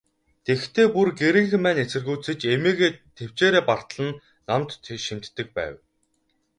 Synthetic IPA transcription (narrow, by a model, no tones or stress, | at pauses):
t̪ext̪ʰeːpurɡeɾɘ̆ŋxɘ̆mːæːnet͡sɘ̆rɣujt͡sɘ̆t͡ɕemeːɣeːt̪ʰew̥t͡ɕeːɾeːpar̥t̪ɮə̆nː | amt̪ʃim̥t̪ːɘ̆k̚pæ̰ːw